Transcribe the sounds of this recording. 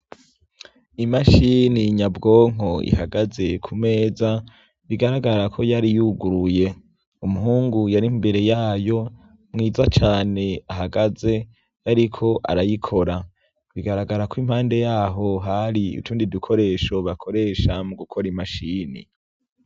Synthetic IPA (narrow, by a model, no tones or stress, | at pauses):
imaʃiniɲabɡo̞ːŋ̥o̞ḭhaɡaze̞kʰume̞ːza | βiɡaɾaɡaɾakʰo̞jaɾijuɡuɾuje̞ | umuɦuːŋɡujaɾimbe̞ɾe̞jaːjo̞ | mŋiːzat͡ʃaːne̞aɦaɡaze̞ | jaɾikʰo̞ʔa̰ɾajikʰo̞ɾa | βiɡaɾaɡaɾakwim̥haːnde̞jaːɦo̞ɦaɾiṵtuːndidukʰo̞ɾe̞ːʃo̞βakʰo̞ɾe̞ːʃamuɡukʰo̞ɾimaʃiːnḭ